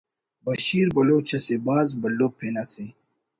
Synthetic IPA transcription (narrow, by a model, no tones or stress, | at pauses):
bɐɕiːɾbɐloːt͡ɕʰɐsebaːzbɐlːopʰːeːnase